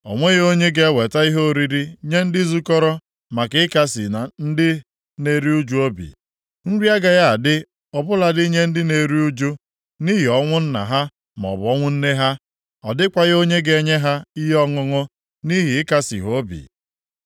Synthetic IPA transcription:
ɔ̰˨ŋʷe˦ɣo˦ɲe˦ɡe˨˦we˨ta˦i˦ɦo˦o˨ɾi˦ɾi˦ɲe˦n̩˦dɪ˦zu˦kɔ˦ɾɔ˦ | ma˨kɪ˨˦ɪ˦ka˦si˨na˨n̩˦dɪ˦ | ne˨ɾi˦u˦d͡ʒu˦o˦bḭ˨ | n̩˦ɾi˦a˦ɡa˨ɣa˦a˨dɪ˦ | ɔ˨bʊ˦la˨di˦ɲe˦n̩˦dɪ˦ne˨ɾi˦u˦d͡ʒu˦ | ni˦ɦi˨ɔ˦ŋʷʊ˦n̩˦na̰˨ɦa˦ | m˨ɔ̰˨bʊ˨˦ɔ˦ŋʷʊ˦n̩˦ne˦ɦa˦ | ɔ̰˨dɪ˦kʷa˨ɣo˦ɲe˦ɡe˨ɲe˦ɦa˦i˦ɦɔ˦ŋʊ˦ŋʊ˦ | ni˦ɦi˨ɪ˦ka˦sḭ˨ɦo˦bḭ˨

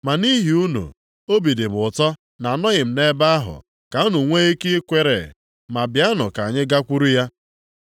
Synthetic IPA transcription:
ma˨ni˦ɦi˨u˦nṵ˨ | o˦bi˨de˨bʊ˨tɔ˦ | na˨nɔ˦ɣɪ˨m̩˨ne˦ba˦a˦ɦʊ̰˨ | ka˨˦nu˨ŋʷe˦i˦ki˦kʷe˦ɾḛ˨ | ma˨bja˦nʊ˨ka˨ɲɪ˦ɡa˦kʷu˦ɾu˦ja˦

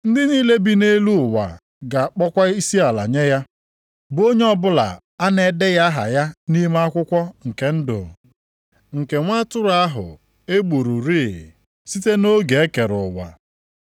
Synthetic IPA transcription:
n̩˦dɪ˦niː˦le˦bi˦ne˦lu˦˨wa̰˨ | ɡa˨k͡pɔ˦kʷa˦i˦si˦a˨la̰˨ɲe˦ja˦ | bo˦ɲe˦ɔ˦bʊ˦la̰˨ | a˦ne˨de˦ja˦ɦa̰˨ja˦ni˦m˦a˦kʷʊ˦kʷɔ˦ŋ̩˨ke˨n̩˦dʊ̰˨ | ŋ̩˨ke˨ŋʷa˦tʊ˦ɾa˦ɦʊ̰˨ | e˦ɡ͡bu˨ɾu˨ɾiː˦˨ | si˦te˦no˦ɡe˨e˦ke˨ɾʊ˨wa̰˨

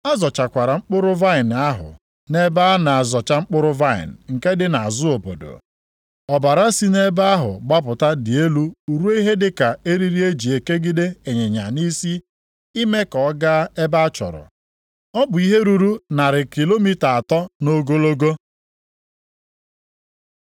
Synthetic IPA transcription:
a˦zɔ˨t͡ʃa˨kʷa˨ɾa˨ŋ͡m̩˦k͡pʊ˦ɾʊ˦va˦ɪ˨n˨a˦ɦʊ̰˨ | ne˦ba˦na˨a˨zɔ˨t͡ʃa˦ŋ͡m̩˦k͡pʊ˦ɾʊ˦va˦ɪ̰˨n̩˨ŋ̩˨ke˦dɪ˦na˨a˨zʊ˦o˨bo̰˨do̰˨ | ɔ˨ba˨ɾa˦si˦ne˦ba˦a˦ɦʊ̰˨ɡ͡ba˦p̬ʊ˨ta˦dɪ˨e˦lu˦u˨ɾu˦e˦ɦe˦dɪ˦ka˨e˦ɾi˦ɾi˦e˦d͡ʒi˨e˨ke˦ɡi˦de˦e˨ɲe˨ɲa̰˨ni˦si˦ | i˦me˦kɔ˨˦ɡa˦e˦ba˦a˦t͡ʃɔ̰˨ɾɔ̰˨ | ɔ˦bʊ˨i˦ɦe˦ɾu˦ɾu˦na˨ɾɪ˨ki˨lo˦mi˦ta˨a˨tɔ˦no˦ɡo˦lo˦ɡo˦

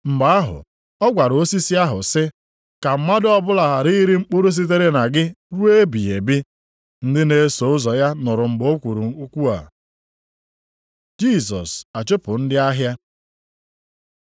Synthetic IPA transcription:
m̩˨ba˨a˦ɦʊ̰˨ | ɔ˦ɡʷa˨ɾo˦si˦si˦a˦ɦʊ̰˨sɪ˦ | ka˨m̩˦ma˦dʊ˦ɔ˦bʊ˦la˨ɦa˨ɾi˦ɾi˦ŋ͡m̩˦k͡po˦ɾo˦s̬i˦t̬e˦ɾe˦na˨ɡɪ˦ɾu˦e˦bi˨e˨bɪ˦ | n̩˦dɪ˦ne˨˦so˨ʊ˦zɔ˨ja˦nʊ˨ɾʊ˨ŋ͡m̩˨ɡ͡bo˦kʷu˨ɾu˨u˦kʷu˦a̰˨ | d͡ʒi˦˨sɔ̰˨sa˨t͡ʃʊ˦pʊ˨n̩˦dɪ˦a˦ɦja˦

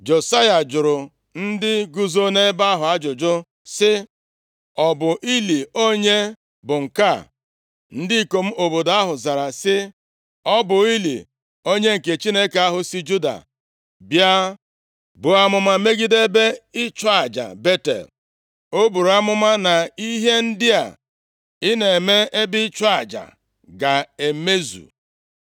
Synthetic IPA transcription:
d͡ʒo˨sa˦ja˨d͡ʒʊ˨ɾʊ˨ | n̩˦dɪ˦ɡu˦zo˦ne˦ba˦ɦʊ˨a˦d͡ʒʊ˨d͡ʒʊ˦ | sɪ˦ | ɔ˦bʊ˨ʔi˦li˨o˦ɲe˦ | bʊ˨ŋ̩˨ka˦˨ | n̩˦di˦i˨ko˨m̩˦o˨bo˨da˦ɦʊ˨za˨ɾa˨sɪ˦ | ɔ˦bʊ˨i˦lḭ˨ | o˦ɲe˦ŋ̩˨ke˨t͡ʃi˦ne˦ka˦ɦʊ˨si˦d͡ʒu˦da̰˨ | bja˦ | bʊ˨a˦mʊ˦ma˦me˦ɡi˦de˦be˦ɪ˦t͡ʃa˦a˨d͡ʒa̰˨be˦tḛ˨l | o˦bu˨ɾa˦mʊ˦ma˦na˨i˦ɦe˦n̩˦dɪ˦a̰˨ | ɪ˦ne˨e˨me˦e˦bɪ˦t͡ʃa˨d͡ʒa̰˨ | ɡa˨e˨me˦zṵ˨

